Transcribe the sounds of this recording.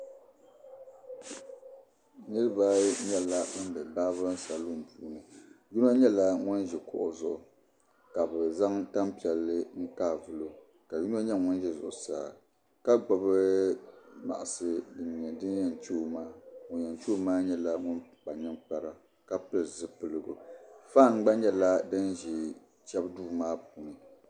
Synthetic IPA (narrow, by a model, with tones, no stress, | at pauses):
nɨ˦ɾɨ˦ba˦ɲɛ˦la˦ʊ˦n˦bɛ˨baː˦βɨ˦sa˨lu˦˨m̩˨puː˨˦nɨ˨ju˦n˦a˦ɲɛ˦la˦ŋʊ˦nʒɛ˨kʊ̰˦ʔʊ˨zʊ˨ʔʊ˨ | ka˨bɛ˨za˦ŋta˦mpi˨ɛ˨lːɨ˦ŋ̩˦kaː˦˨vʊ˦lo˦ | ka˨d͡ʒu˦n˦a˦ɲɛ˦ŋʊ˦n˦ʒɛ˦zʊ̰˨ʔʊ˨saː˦˨ | ka˦ɡ͡bɔ˨bɨ˦ | ma̰˨ʔa˨sɨ˦dɨ˨ɲɛ˨dɨ˦n˦jɛ˨nt͡ʃu˦o˦maː˦ŋʊ˨jɛ˨nt͡ʃu˦o˦maː˦ɲɛ˦la˦ŋʊ˦nk͡pa˨ɲɛ˦ŋk͡pa˦ɾa˦ | ka˦pɨ˦˨zɨ˦pɨ˨lɨ˨ɡo˨fa˦˨ŋ̩˦ɡ͡ba˦ɲɛ˦la˦dɨ˦nʒi˨ | t͡ʃɛ˦bduː˦maː˦p̚uː˨nɨ˨